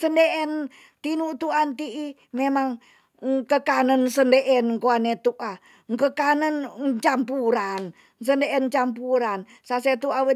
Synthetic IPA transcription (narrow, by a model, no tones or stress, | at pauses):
səndeʔɛn | t̪inuʔt̪uant̪iʔi | memaŋ | kəkanənsəndeʔɛnkoanet̪uʔa | ŋkəkanənt͡ʃampuɾan | s̬əndeʔɛnt͡ʃampuɾan | saset̪uawə